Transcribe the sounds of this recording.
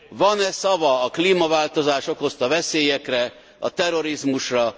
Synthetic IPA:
vɒnɛsɒvɒːkliːmɒvaːlt̪o̞zaːʃo̞kho̞st̪ɒvɛseːjɛkrɛ | ɒ̰t̪ɛɾo̞ɾizmuʃrɒ

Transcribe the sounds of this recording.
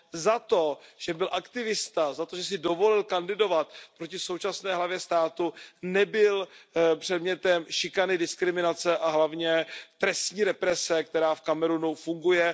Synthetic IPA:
zat̪o̞ʒ̥ɛbɪlʔakt̪ɪvɪst̪azat̪oʒɛs̬ɪdo̞vo̞lɪlkandɪdo̞vat̪̚pɾocɪsowt͡ʃasnɛːɦlavjɛst̪aːt̪unɛbɪlpr̝̥ɛdmɲɛt̪ɛmʃɪkanɪdɪskɾɪmɪnat͡sɛʔaɦlavɲɛt̪ɾɛst̪ɲiːɾɛpɾɛsɛk̚t̪ɛɾaːfkamɛɾunufuŋɡujɛ

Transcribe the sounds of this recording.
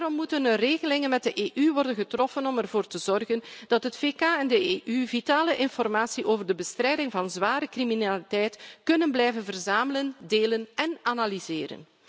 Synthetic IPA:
darɔmːutənəreːɣəlɪŋənmɛt̚dəʔeːʔyʋɔrdənɣətrɔfənɔmɛrvoːrtəzɔrɣənd̥ɑtɦətfeːkaːɛndəeːʔyvitaːləʔɪnfɔrmaːsiʔoːvərdəbəstrɛjdɪŋvɑnzʋaːɾəkriminalitɛjtkɵnənblɛjvənvərzaːmələndeːlənɛnanalizeːɾə̰n

